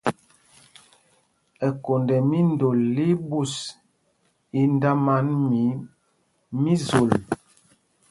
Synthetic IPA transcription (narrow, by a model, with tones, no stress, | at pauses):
ɛ˨ko˨ndɛ˨mi˦ndo˨lːi˦bu˦˨s | i˦nda˦ma˦nmi˨˦ | mi˦zo˨l